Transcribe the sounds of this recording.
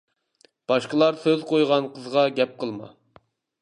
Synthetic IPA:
b̥ɑʃqəlˠɑɾsøzqʰojʁɑnqʰəzʁɑɡʲɛp̚qʰəlˠmɑ̰

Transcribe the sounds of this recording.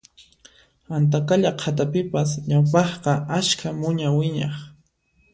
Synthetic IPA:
ant̪̬akaʎaqʰat̪̬apɪpasɲawp̬ɑχqɑʔaʃkʰamʊɲawɪɲɑ̰χ

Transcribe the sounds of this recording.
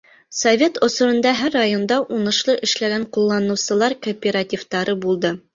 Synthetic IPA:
sovʲet̪ŏsŏɾɤ̆nd̪ɑɦæɾːajond̪ɑʔunɤ̆ʃlˠɤʔɘ̆ʃlæɡæɴqulˠːɑnɤ̆wsɤ̆lˠɑɾkopʲeɾat̪ʲift̪ɑɾɤbulˠd̪ɤ

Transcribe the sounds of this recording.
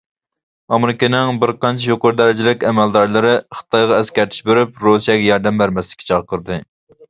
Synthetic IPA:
ɑmɪɾɪkʲinɪŋbɪɾqɑnt͡ʃʰijoqʊɾd̪ɛɾɪd͡ʒɪlɪkʲɛmɛld̪ɑɾlˠɨɾɨχə̥t̪ʰɑjʁɑɛskʲæɾt̪ʰi̥ʃbeɾyp̚ɾusijɛɡʲɛjɑɾd̪ɛmbæɾmɛslɪkʲʰːɛ̥t͡ʃʰɑʁqʰəɾd̪ɨ

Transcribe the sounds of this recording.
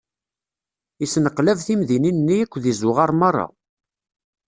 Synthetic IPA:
isnəqlævθimðininːiækʷːðizʊʁɑɾˤmɑrˤːɑ̰

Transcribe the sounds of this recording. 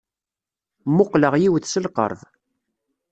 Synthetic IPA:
mʊqləʁjiwəθsəlqə̰ɾˤð

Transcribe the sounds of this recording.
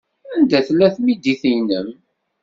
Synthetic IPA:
ænd̪æθlːæθmid̪iθijnəm

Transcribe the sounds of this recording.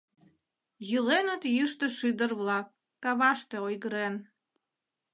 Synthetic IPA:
jəlenət̪jəʃt̪ĕʃɨd̪ərβlɑkː | ɑβɑʃt̪eojɣəɾen

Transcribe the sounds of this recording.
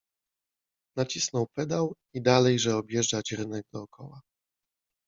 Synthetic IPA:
nat͡ɕisnɔwpɛd̪aw | id̪alɛjʐɛɔbjɛʐd͡ʐat͡ɕɾɘnɛɡ̚d̪ɔːkʰɔwa

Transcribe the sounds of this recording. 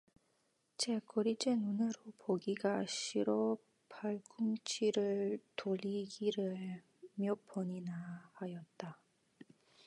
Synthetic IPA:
t͡ɕekoɾid͡ʑenunɯɾopoɡiɡaɕʰiɾo | pʰaɭɡuŋt͡ɕʰiɾɯɭtoʎiɡiɾɯɭ | mjʌpʰoɲinahajʌt̚t͈a

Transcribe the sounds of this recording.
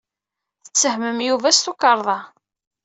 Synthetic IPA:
θə̥t͡sːəhməmjuvæst̪ukɑɾˤðˤɑ

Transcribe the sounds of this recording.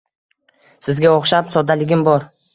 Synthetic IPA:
sɪzɡʲaoχʃapsɒd̪alɪɡʲɪmbɒɾ

